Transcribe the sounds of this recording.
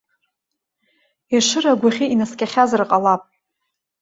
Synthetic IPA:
iʂɨraɡʷaχʲiinaskʲʼaχʲazrqʼalapʼ

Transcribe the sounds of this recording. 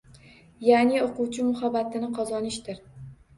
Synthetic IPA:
janɪoqʊwt͡ʃʰɪmʊhabat̪ʰɪnɪqʰɒzɒnɪʃt̪ɪɾ

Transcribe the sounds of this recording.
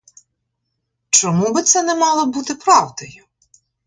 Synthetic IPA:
t͡ʃɔmubɪt̪sɛnɛmɑlˠɔbut̪ɪpɾɑwd̪ɔjʊ

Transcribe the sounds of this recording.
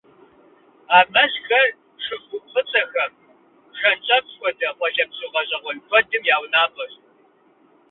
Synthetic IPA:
aːmɐzxɐr | ʂɨɡʷʊpχət͡sʼɐxɐm | ʂɐnt͡ʃʼɐpkʷɔdɐʁʷɔʒɐpɕʊʁɐʑʼɐʁʷɔnkʷʰɔdɨmjaːwnaːpʰʼɐɕ

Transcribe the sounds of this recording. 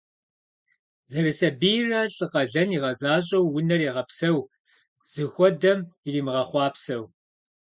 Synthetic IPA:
zɐrɨsɐbiːrɐɬʼɨqɐɮɐniʁɐzaːʑʼɐwːʊnɐriːʁɐpsɐw | z̥ɨxʷɔdɐmɪriːmɨʁɐχʷɑːpsɐw

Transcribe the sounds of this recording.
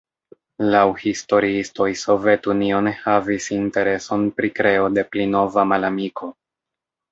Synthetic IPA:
lawhisto̞ɾiisto̞jso̞ve̞tunio̞nehavisinte̞ɾe̞so̞npɾikɾe̞o̞de̞plino̞vamalamikʰo̞

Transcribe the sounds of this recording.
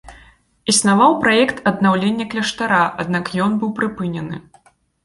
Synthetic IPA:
isnavawpɾajɛkt̪ʰɐd̪nawlʲenʲːɐklʲɛʂt̪aɾaʔad̪nakjɔnbɨwpɾɨpɨnʲɛnɨ

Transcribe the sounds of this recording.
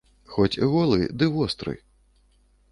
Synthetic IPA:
xɔt͡sʲɣɔlˠɨd̪ɨvɔst̪ɾɨ̰

